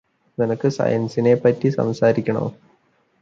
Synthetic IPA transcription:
nenɐkːɨsɐ̰jɐnsinepːɐtːisɐ̰msaːɾikʲːɐɳo̰ː

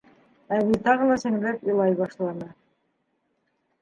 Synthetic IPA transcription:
æβit̪ɑʁɤ̆lˠɑsɘ̆ŋlæpilˠɑjβɑʃlˠɑnɤ

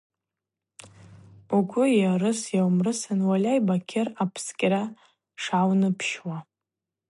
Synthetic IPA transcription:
uɡʷʊjarɨsjawmrɨsanwalʲajbakʲʰɪrapʰskʲʼɾa | ʂawnɨpʰʃwa

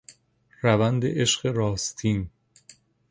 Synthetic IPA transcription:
ɾævænd̪ḛʔeʃɢeɾɒːst̪ʰiːn

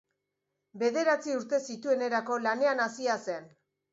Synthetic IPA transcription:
be̞ðe̞ɾat͡siuɾt̪e̞sit̪ue̞ne̞ɾako̞lane̞anasiase̞n

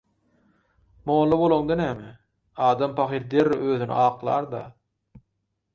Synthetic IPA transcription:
moːlˠːɑbolˠoŋd̪ɑnæːme | ɑːd̪ɑmpʰɑxiɾd̪eɾːiʔøːðynḭʔɑːqlˠɑ̰ːɾd̪ɑ̰

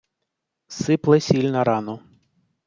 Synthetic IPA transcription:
sɪplˠɛsʲilʲnɐɾɑnʊ

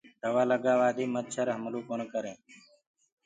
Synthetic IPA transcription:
d̪̥əʋaːləɡaːʋaːd̪iːmət̪̚t͡ʃʰəɾɦəmluːkoːnkəɾẽː

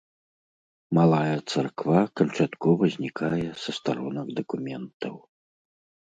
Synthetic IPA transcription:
malˠajɐt̪sarkvakɐnt͡ʂat̪kɔvɐzʲnʲikajɛsɐst̪aɾɔnɐɡd̪ɐkumʲɛnt̪ɐw

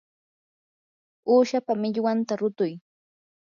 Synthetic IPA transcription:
uːʃapamɪʎwant̪aɾʊt̪ʊj

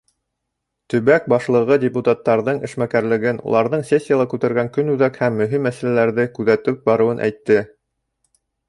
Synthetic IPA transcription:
t̪ɵ̆βæk̚bɑʃlˠɤ̆ʁɤdʲɪput̪at̪ːɑɾðɤɴɘ̆ʃmækæɾlɘ̆ɡɘnṵlˠɑɾðɤɴsʲesʲːijalˠɑkʉt̪æɾɡæŋkɵnʉðækhæmːɵ̆ɦimːæsælælæɾðɘkʉðæt̪ɵp̚bɑɾɤ̆wɤnʔæ̰jt̪ːɘ

